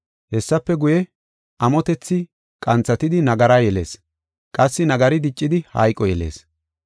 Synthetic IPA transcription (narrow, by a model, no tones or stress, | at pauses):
hɛsːɐpːɛɡʊjɛ | ʔɐmɔt̪ɛt͡sːɪ | kʼɐnt͡sːɐt̪ɪd̪ɪnɐɡɐɾajɛle̞̰ːs | kʼɐsːɪnɐɡɐɾɪd̪ɪt͡ʃʼːɪd̪ɪhɐ̰jkʼːɔjɛlḛːs